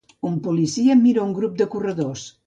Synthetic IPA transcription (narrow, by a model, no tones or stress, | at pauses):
umpulisiəmːiɾauŋɡɾup̚d̪əkurəðos